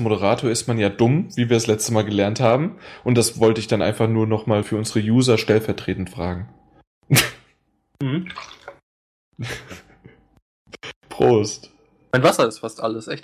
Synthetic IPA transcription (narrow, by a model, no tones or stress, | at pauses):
moɾəʁ̞aːtʰoɐɪstmanjaːdʊmviːviːɐaslɛt͡stəmaːlɡəlɛɐnthaːbm̩ʔʊnt̚d̥asvɔltəɪçd̥anʔa̰ɪnfaχnuːɐnɔχmaːlfyːɐʔʊnzəʁəjuːzɐʃtɛlfɛɐtʁ̥eːtn̩tfʁ̥aːɡŋ̩ | m̩hm̩ | pʁ̥oːst | maɪnvasɐɪstfastʔa̰ləsʔɛçt